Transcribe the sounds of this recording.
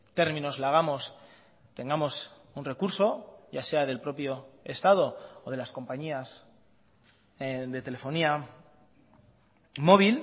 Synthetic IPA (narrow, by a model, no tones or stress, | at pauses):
t̪e̞ɾmĩno̞zlaɣ̞amo̞s | t̪e̞ŋɡamo̞s | unre̞kuɾso̞ʝase̞aðe̞lpɾo̞pjo̞e̞st̪að̞o̞oð̞e̞lasko̞mpaɲias | ðe̞t̪e̞le̞fo̞nia | mo̞β̞il